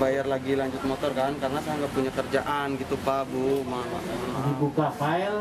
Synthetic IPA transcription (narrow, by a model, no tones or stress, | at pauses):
bajarlaɡilaɲd͡ʒʊt̪̚mɔt̪ɔrkankarənasajaŋɡapuɲakərd͡ʒaʔanɡit̪upabumaa̰dibukafail